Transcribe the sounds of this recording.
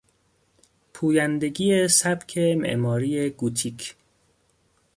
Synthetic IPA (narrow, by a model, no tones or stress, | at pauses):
pʰuːjænd̪eɡiːesæbcʰemḛʔmɒːɾiːeɡut̪ʰikʰ